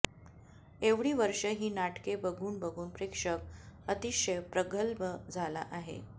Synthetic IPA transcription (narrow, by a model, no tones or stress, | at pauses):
eʋɽiːʋəɾʂəɦiːnaʈkebəɡʱuːnbəɡʱuːnpɾekʂəkət̪iɕəjpɾəɡəlbəd͡zʱala̰ʔaɦḛ